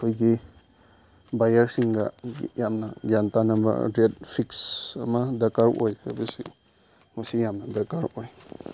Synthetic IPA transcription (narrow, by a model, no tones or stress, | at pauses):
kʰojɡi | bajaɾsiŋɡa̰jamnaɡjantanamba̰ɾetpʰiksamadakaɾʔojka̰bisḭ | musijamnadakaɾoj